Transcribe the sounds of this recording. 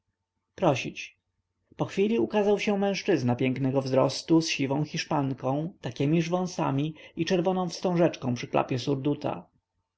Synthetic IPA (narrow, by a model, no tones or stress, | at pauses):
pɾɔɕit͡ɕ | pɔxfʲilʲiukazawɕɛmɛ̃w̃ʂt͡ʂɘznapʲjɛŋknɛɡɔvzɾɔst̪usɕivɔ̃w̃xiʂpaŋkɔ̃w̃t̪akʲɛmʲiʐvɔ̃w̃sa̰mʲiit͡ʂɛɾvɔnɔ̃w̃fst̪ɔ̃w̃ʐɛt͡ʂkɔ̃pʂɘkla̰pʲjɛsuɾd̪ut̪ʰa̰